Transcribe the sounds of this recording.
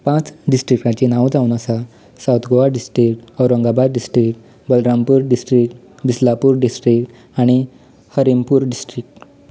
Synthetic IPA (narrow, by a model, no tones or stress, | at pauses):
pãt͡sɖisʈɾik̚ʈãt͡ɕinawd͡zawnasa | sawt̪ɡoʋaɖisʈɾikʈəwɾəŋɡabaɾɖisʈɾikʈ | bəlɾampuːɾɖisʈɾik̚ʈ | bislapuɾɖisʈɾik̚ʈ | aɽ̃i | həɾimpuːɾɖisʈɾik̚ʈ